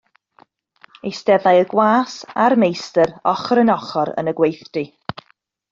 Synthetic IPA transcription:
ejsdɛðajəɡwaːsarmejstəɾɔχɾənɔχɔɾə̰nəɡwejθd̥i

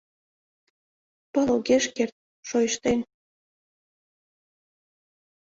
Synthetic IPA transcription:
pəloɣeʃkert̪̚ | ʃojʃt̪en

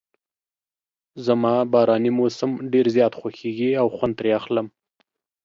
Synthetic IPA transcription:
zəmɑbɑɾɑnimosəmɖeɾzjɑt̪xwaxeɡiawxwand̪ɾeaxləm

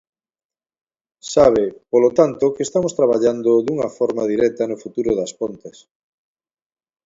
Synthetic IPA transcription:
saβ̞ɪpolot̪ant̪ʊkeest̪amost̪ɾaβ̞aʎand̪oðuŋɐfɔɾmɐðiɾɛt̪ɐnofut̪uɾoðɐspont̪ɪs

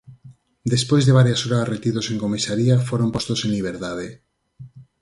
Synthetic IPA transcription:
d̪espojzðeβaɾjasoɾaret̪iðoseŋkomisaɾiafoɾompost̪osenliβ̞eɾt̪aðe

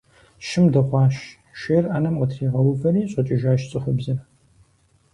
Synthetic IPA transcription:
ʃɪmdɐχʷɑːʃ | ʃeːraːnɐmqətʰriːʁɐwʊvɐriːɕʼɐt͡ʃʼɪʒaːʃt͡sʼɨχʊbzɐ

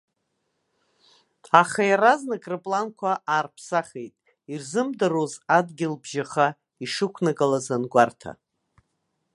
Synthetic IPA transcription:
aχajaraznɨkʼrɨpʼlankʷʰaʔaːrpʰsaχejtʼ | irzɨmdarozadɡʲɪlbʒaχa | iʂɨkʷʰnaɡʼalazanɡʷartʰa̰

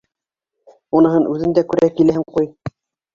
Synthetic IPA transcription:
unɤ̆ɦɤnʔʉðɘ̆nd̪ækʉɾækilæhɘŋquj

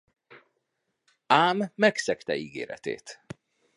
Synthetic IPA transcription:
aːmːɛksɛkt̪ɛiːɡḛːɾɛ̰t̪ḛːt̪

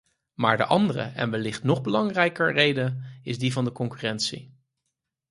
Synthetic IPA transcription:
maːɹdə̰ʔɑndərə̰ɛ̰nʋɛlɪχtnɔχbəlɑŋrɛjkəɹrejdəɪzdivɑndəkɔŋkyrɛntsḭ

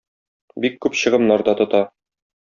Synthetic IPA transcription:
bikːʉpɕɤ̆ʁɤ̆mnɑɾd̪ɑt̪ŏt̪ɑ

